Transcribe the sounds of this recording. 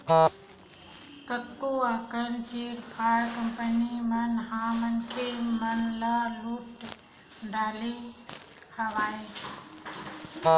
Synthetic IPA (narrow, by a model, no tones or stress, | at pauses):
kət̪ːoakənt͡ʃeːɾpʰaːɾkəmpənimənɦãːmənkʰemənlaluʈ | ɖʱaːle | həʋaːe